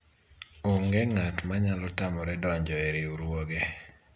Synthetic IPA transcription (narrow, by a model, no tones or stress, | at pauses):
oŋɡɛŋatmaɲalɔtamɔɾɛdɔɲd͡ʒɔeɾeuɾwoɡe